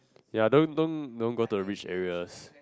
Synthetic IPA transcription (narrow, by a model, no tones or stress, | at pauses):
jadõndõndõnɡotuəɹit͡ʃɛ̰ɹiəs